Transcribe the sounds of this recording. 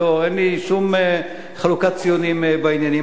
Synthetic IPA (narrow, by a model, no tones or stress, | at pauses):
oenliʃum | χalukatt͡sijonimbainjani